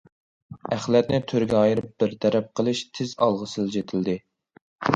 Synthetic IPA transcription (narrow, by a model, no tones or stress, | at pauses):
æχlɛt̪̚nɪt̪ʰøɾɡʲɛɑjɨɾɪp̚bɪɾt̪ʰɛɾɛp̚qʰəlˠɨʃt̪ʰɪzɑlˠʁəsɨlˠd͡ʒet̪ʰɪld̪ɪ